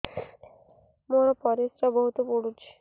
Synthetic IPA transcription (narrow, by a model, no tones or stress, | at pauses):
moɽ̃ɔpɔɾisɾɔbɔɦut̪upuɽut͡ʃʰe̥